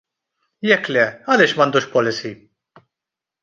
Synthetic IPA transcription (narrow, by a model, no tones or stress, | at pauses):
jɛkːlɛɐlɪːʃmɐnd̪uːʃpɔlɪsi